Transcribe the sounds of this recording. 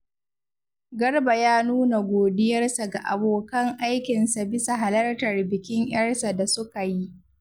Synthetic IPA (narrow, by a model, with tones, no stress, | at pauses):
ɡɐ˦rba˨jaː˦nuː˦na˨ɡʷoː˨dɪ˦jɐ˦rsa˨ɡa˨ʔa˨boː˨kɐ˦ŋʔa˦jkʲɪ˨nsa˨bɪ˦sa˨ɦa˨lɐ˦rtɐ˨rbɪ˨kʲɪ˦ŋj̰ɐ˦rsa˨da˨sʊ˦ka˨ji˦ʔ